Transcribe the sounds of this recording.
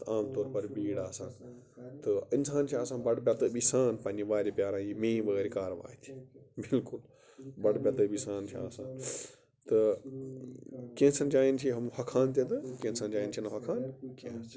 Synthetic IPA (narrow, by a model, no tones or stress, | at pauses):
aːmt̪oːɾpɐɾbiːɽaːsãːn | t̪ɐɪnsaːnt͡ʃʰiaːsãːbɐɽbjɐt̪ɨbisaːnpɐ̃ːnd͡ʑiʋaːɾipjaːɾãːjimẽːʋɐeːɾikaːɾʋa̰ːt̪ʰi̥bɪlkʊl | bɐɽbʲɐt̪ɨbisaːnt͡ʃʰia̰ːsãːn | t̪ɐ | kẽːnsɐ̃nd͡ʒaːint͡ʃʰiɦɐmhɐkʰaːnt̪ẽt̪ɨkẽːnsãnd͡ʒaːint͡ʃʰinɐɦɐkʰaːnkẽ